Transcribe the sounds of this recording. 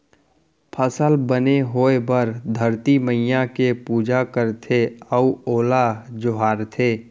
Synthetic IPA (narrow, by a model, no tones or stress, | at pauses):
pʰəsəlbəneɦoːebəɾd̪ʱəɾt̪iməijãkepuːd͡ʒakəɾt̪ʰeəuoːlad͡ʒʊɦaːɾt̪ʰeː